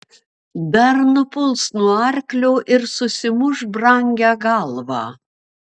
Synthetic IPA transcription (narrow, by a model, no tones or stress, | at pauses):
d̪ɐɾnʊpʊlˠsnuɔɐɾʲklʲoːʔɪɾsʊsʲɪmʊʒbɾɑŋʲɡʲæːɡɑlˠʋɑː